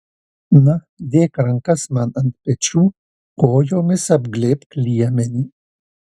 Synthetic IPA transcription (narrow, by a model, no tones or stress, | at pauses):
nɐ | d̪eːkɾɐŋkɐsmanɐnt̪̚pɛt͡ʃu | koːjomesɐbɡlepklijɐmeni